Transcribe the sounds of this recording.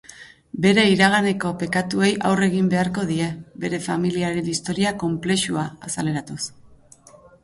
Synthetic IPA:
be̞ɾe̞iɾaɣ̞ane̞ko̞pe̞kat̪ue̞jʔawre̞ɣ̞imbe̞aɾko̞ð̞ie̞be̞ɾe̞familiaɾe̞nist̪o̞ɾiako̞mple̞ʃuaːsale̞ɾat̪us

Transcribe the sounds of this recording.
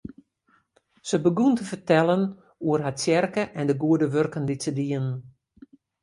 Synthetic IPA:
səbəɡuntəfərtɛlˠən | uərɦasjɛrkəʔɛndəɡuədəʋørkəndisədiən

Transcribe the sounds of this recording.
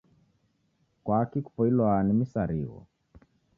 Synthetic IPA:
kwakiku̥pɔilwanimisaɾḭɣɔ̰

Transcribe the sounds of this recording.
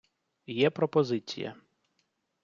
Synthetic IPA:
jɛpɾɔpɔzɪt͡sʲḭjɐ̰

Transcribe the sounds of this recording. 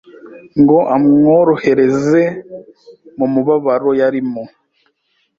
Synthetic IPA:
ŋɡo̞ʔamŋoɾo̞he̞ɾe̞ze̞ | mumuβaβaɾo̞jaɾimo

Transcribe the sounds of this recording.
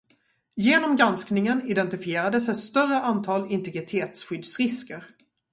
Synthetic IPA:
jeːnɔmɡɾansknɪŋənɪd̪ɛnt̪ɪfɪeːɾad̪əsɛt̪st̪œrəʔant̪ʰɑːlɪnt̪ɛɡɾɪt̪ʰeːt̪sɧʏd̪sɾɪskəɾ

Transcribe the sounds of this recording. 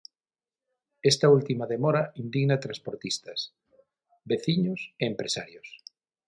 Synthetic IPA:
est̪ault̪imaðemoɾaind̪iɣnat̪ɾãspoɾt̪ist̪ɐs | beθiɲoseempɾesa̰ɾjos

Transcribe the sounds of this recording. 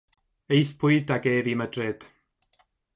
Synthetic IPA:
ejθpʰʊɨdaɡeːvimədrɪd̥

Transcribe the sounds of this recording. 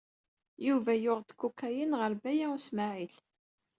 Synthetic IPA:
juvæjʊʁd̪kːukːæjənʁəɾbæjæusmaʕil

